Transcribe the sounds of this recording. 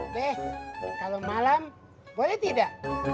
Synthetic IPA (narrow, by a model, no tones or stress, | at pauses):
bɛhkalomalam | bolɛt̪idaʔ